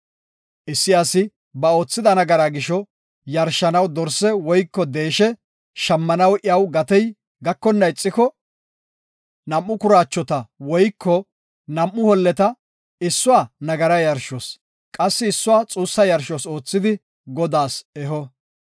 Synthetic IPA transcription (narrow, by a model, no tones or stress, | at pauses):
ʔɪsːɪasɪ | bɐo̞ːt͡sːɪd̪ɐnɐɡɐɾaɡɪʃɔ | jɐɾʃːɐnɐwd̪ɔɾsɛwɔjkːɔd̪eːʃɛ | ʃɐmːɐnɐwʔɪɐwɡɐt̪ɛj | ɡɐkːɔnːɐɪt͡sʼːɪkɔ | nɐmːʊkʊɾaːt͡ʃːɔt̪ɐwɔjkːɔ | nɐmːʊhɔlːɛt̪ɐ | ɪsːʊwaːnɐɡɐɾɐjɐɾʃos | kʼɐsːɪːsːʊwaːt͡sʼuːsːɐjɐɾʃoso̞ːt͡sːɪd̪ɪ | ɡɔd̪aːsɛɦɔ